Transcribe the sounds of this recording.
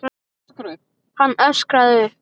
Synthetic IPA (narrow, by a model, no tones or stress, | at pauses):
kɾ | hanːœskɾaðɪ